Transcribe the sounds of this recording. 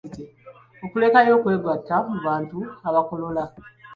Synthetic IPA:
te | okule̞kajo̞ːkwe̞ːɡatːamuβaːntuaβako̞lo̞la

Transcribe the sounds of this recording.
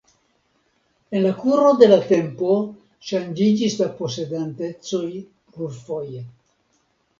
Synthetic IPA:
e̞nlakuɾo̞d̪e̞late̞mpo̞ | ʃand͡ʒid͡ʒislapo̞se̞d̪ante̞t͡soj | rulfo̞j

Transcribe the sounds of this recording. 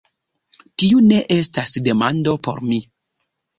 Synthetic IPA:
tiune̞ʔe̞stasde̞mando̞po̞̰ɾmi

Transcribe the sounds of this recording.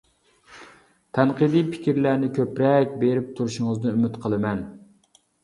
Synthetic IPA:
t̪ʰɛnqɨd̪ipʰɪ̥kʲiɾlæɾnɪkʲʰøpɾɛkʲbeɾɪp̚t̪ʰuɾuʃuŋɨznɨymɪt̪qʰəlˠɨmɛn

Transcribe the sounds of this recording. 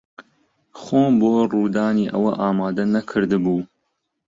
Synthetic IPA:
χoːmboːruːd̪aːniːʔɐ̰wɐʔaːmaːd̪ɐnɐkʰɨɾd̪ɨbuː

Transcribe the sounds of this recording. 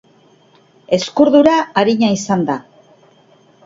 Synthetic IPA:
e̞skuɾðuɾaːɾiɲaisand̪a

